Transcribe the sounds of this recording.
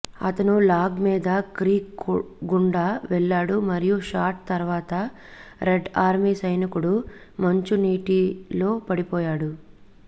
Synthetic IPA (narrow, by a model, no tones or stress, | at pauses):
ɐ̰t̪ɐnulaːɡmiːd̪ɐkɾiːkɡuɳɖaʋɛɭːaːɽumɐɾijuʂaːʈ̚t̪ɐɾuʋaːt̪ɐ | ɾeɖaːɾmiːsɐjnikuɽu | mɐɲt͡ʃuniːʈilo̞ːpɐɽipɔːjaːɽu